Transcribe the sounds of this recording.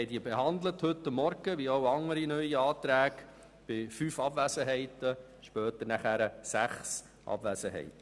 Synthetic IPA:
ɛɪdiːbeɦɑnd̪ləthɵtːəmːɔɾɡ̥əʋioʊɑŋəɾinœʏiɑːt̪ɾæːɡ | b̥ɪfyːfɑbʋæsəɦɛɪtə | ʃpœːtənæχæɾəsæχs | ʔɑ̰bʋæsəɦɛ̰ɪt

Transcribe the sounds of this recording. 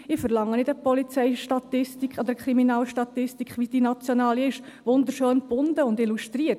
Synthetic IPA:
ɪfəɾlɑŋːənɪdəpɔlit͡sɛɪʃtɑt̪ɪstikʰɔd̪əɾkʰɾiminɑːlʃtɑt̪ɪstikχʋid̥inɑt͡sjɔnɑːliɪʃʋʊnd̪əɾʃøːnb̥ʊnd̪əʊnd̪iluʃt̪riət

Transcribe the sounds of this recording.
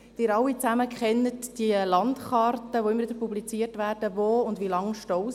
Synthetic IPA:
d̥ɪːɾɑwːit͡sæməkχɛnːətd̥iəlɑntχɑrtəʋoɪməɾʋɪdəɾpublit͡siərtvæːɾd̥əvoːʊndʋilɑŋʃtɔ

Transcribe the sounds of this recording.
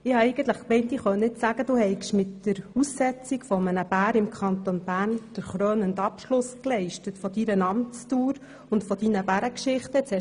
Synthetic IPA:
ɪhɑɛɪɡən̩t̪ləχkmɛɪnt̪ɪχœɪtsæɡ̥əd̥uːhɛɪkʃmɪtːəɾusːɛt͡sikfɔmənəb̥æːɾɪmkʰɑnt̪onb̥æːɾnd̥əɾχɾøːnəndɑpʃlʊsklɛɪʃtətfɔd̪iɾənɑmt͡stuːɾ | ʊntfɔd̥inəbæɾəkʃɪχtəɛt͡shɛ

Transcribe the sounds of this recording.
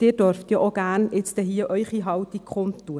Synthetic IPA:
d̥ɪːd̥øɾft̪jɔʔoɡ̥æːrnɪt͡sd̪əɦiəʔœʏχiɦɑwt̪ikχʊnttːuə

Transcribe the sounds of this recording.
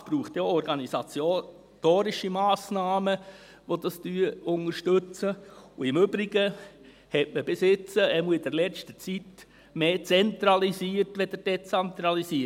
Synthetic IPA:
sb̥ɾuːχt̪joɔɾɡɑnisɑt͡sjo | toːɾɪʃimaːsnɑːmə | ʋod̪ɑstyːʊŋəɾʃtɵt͡səuɪmʏbɾɪɡə | hɛtməb̥esɪt͡səɛmuəɪd̥əɾlɛt͡stət͡sit | meːt͡sɛnt̪ɾɑlisiəɾtʋɛd̪əɾd̥ɛt͡sɛnt̪ɾɑlisiə

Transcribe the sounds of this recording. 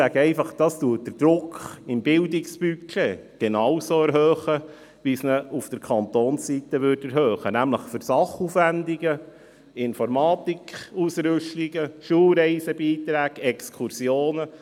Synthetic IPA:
æɡ̥əɛɪfɑχd̥ɑstuət̚d̥əɾd̥ɾʊkɪmbɪldɪkspykʰeɡ̥enɑwsoːɛɾɦøːχə | ʋisnəufd̥əɾkʰɑnt̪oːnsːit̪əʋʏːrtɛɾɦœːχənæmləχfʏɾsɑχufʋændiɡə | ɪnfɔɾmɑːt̪ikχusɾʏʃliɡ̥əʃuːlɾɛɪsəbiːt̪ɾæːɡɛkskʰuɾsjoːnə

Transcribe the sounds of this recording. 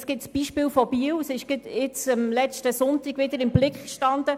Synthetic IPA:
sɡ̥ɪtsb̥iʃpɪːlfɔbiəwsɪʃɡ̥ɪt̪ɪt͡səmlɛt͡ʃtəsʊntiɡʋɪd̪əɾɪmblɪkχkʃtɑnd̪ə

